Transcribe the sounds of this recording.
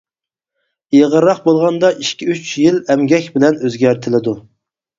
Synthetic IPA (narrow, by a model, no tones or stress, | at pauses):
eʁəɾːɑqbolˠʁɑnd̪ɑʔiʃkʲiyt͡ʃjilɛmɡʲɛkʲbɪlɛnøzɡʲæɾt̪ʰɪlɪd̪u